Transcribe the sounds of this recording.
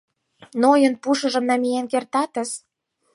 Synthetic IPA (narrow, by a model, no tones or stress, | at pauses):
nojə̆npuʃə̆ʒə̆mnɑmijenkert̪ɑt̪ə̆s